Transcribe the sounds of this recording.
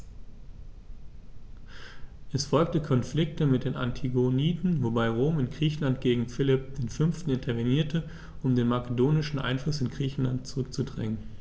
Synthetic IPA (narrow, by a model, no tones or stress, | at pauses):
ʔɛsfɔlk̚təkʰɔnflɪk̚təmɪt̚d̥eːnʔa̰ntʰiɡoniːtn̩vobaɪʁoːmɪnɡʁiːçn̩lant̚ɡ̥eːɡŋ̩fɪlɪp̚d̥eːnfʏnftn̩ɪntʰɐveniːɐtʰə | ʔʊmdeːnmakədoːnɪʃn̩ʔa̰ɪnflʊsɪnɡʁiːçn̩lant̚t͡suʁʏk̚t͡sudʁɛ̰ŋən